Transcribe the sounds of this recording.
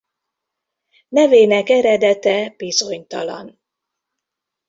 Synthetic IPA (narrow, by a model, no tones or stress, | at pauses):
nɛveːnɛkɛɾɛd̪ɛt̪ɛb̥izoɲt̪ɒlɒ̰n